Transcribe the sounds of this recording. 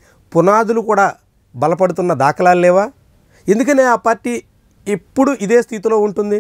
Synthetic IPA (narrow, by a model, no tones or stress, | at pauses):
punaːd̪ulukuːɽaː | bɐlɐp̬ɐɽut̪unːɐd̪aːkɐlaːllɛːʋaː | e̞nd̪uk̬ɐneːaːpaːɾʈiː | epːuɽuʔid̪eːst̪ʰit̪ilo̞ːuɳʈund̪i